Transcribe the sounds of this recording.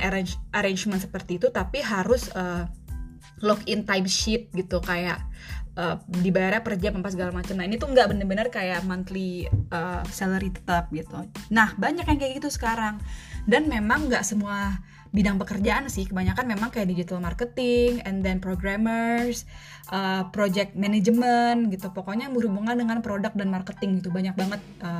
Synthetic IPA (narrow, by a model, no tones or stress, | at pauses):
aɾeɲʔaɾeɲd͡ʒmənt̪sə̥pərt̪iːt̪ut̪apiɦaɾʊsəː | lɔkɪnt̪ajmʃɪt̪̚ɡit̪ukajaʔʔəːdibajarjapərd͡ʒapampas̬əɡalamat͡ʃamnainit̪uŋɡaʔbənərbənərkajaʔmant̪liəːsaləɾit̪ə̥t̪ap̚ɡit̪unahbaɲakjaŋkajaɡit̪usə̥kaɾaŋdanmemaŋɡaʔsəmua | bidaŋpəkərd͡ʒaʔansɪhkəbaɲakanmemaŋkajaʔdid͡ʒit̪almarkət̪ɪŋɛndɛnpɾoɡɾamərs | ʔəpɾod͡ʒɛk̚t̪̚mɛned͡ʒəmənɡit̪upokoɲabəɾubuŋandəŋanpɾodak̚danmarkət̪ɪŋɡit̪ubaɲak̚baŋət̪̚ʔəː